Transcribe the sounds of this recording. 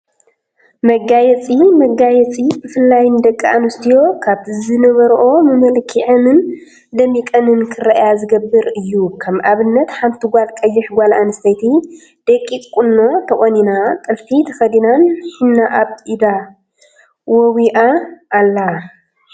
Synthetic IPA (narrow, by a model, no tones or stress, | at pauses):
mɐɡajɛt͡sʼimɐɡajɛt͡sʼibɨfɨlːajnd̪ɐkʼːaʔanɨst̪ʰijo̞kʰaβɨzɨnɐβɐɾʔo̞mɨmɐlkʰiʕɨmɨn | d̪ɐmːikʼɐnɨnkʰɨrɐʔjazɨɡɐbːɨɾɨjːukʰɐmʔaβɨnːɐt̪ħamt̪ʰɨɡʷalkʼɐjːɪħɡʷalʔanɨst̪ʰɐjt̪ʰi | d̪̥ekʼːit̪ʼkʼunːo̞t̪ʰɐχʼoninat̪ʼɨlfit̪ʰɐxɐd̪inanħinːaʔaβid̪a | wɔwiʔaʔːlːa